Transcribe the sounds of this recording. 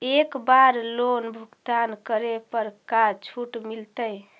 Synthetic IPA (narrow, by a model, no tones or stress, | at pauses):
ekbaɾlonbʱukt̪ankəɾepəɾkat͡ʃʰuʈmilt̪əj